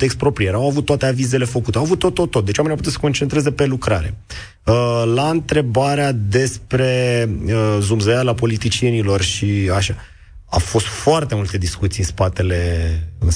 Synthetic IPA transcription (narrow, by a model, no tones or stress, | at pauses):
ekst̪pɾo̞pɾijeɾawavut̪ːoat̪eavize̞le̞fəkut̪eawavut̪ːo̞t̪ːot̪ːo̞t̪̚d̪e̞t͡ʃamneap̬ut̪usə̥ko̞nt͡ʃe̞nt̪ɾe̞ze̞pe̞lukɾaɾe̞̰ | əlaɨnt̪ɾe̞baɾead̪e̞spɾe̞əzumzəjalapo̞lit̪it͡ʃie̞nilo̞rʃiaʃa | a̰fo̞st̪foart̪e̞mult̪e̞d̪iskut̪sijɨnspat̪e̞le̞ɨn